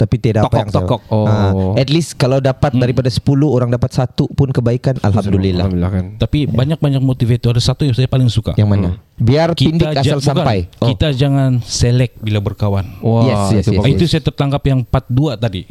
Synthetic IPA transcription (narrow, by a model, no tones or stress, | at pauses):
t̪apit̪edat̪okpaaŋt̪ɔkɔk̚oɛt̪list̪kalawdapat̪daɾipadasə̥puluhoɾaŋdapat̪sat̪upʊnkəbaikana̰lhamdulila̰akant̪apibaɲak̚baɲak̚mot̪ifeit̪uadasat̪ujaŋsajapalɪŋsuka̰jaŋmanabiarkipindɪaaalbuakapajit̪ad͡ʒaŋanselɛk̚bilabərkawanwajɛsuit̪usajat̪ərt̪aŋɡapjaŋpat̪̚duat̪adi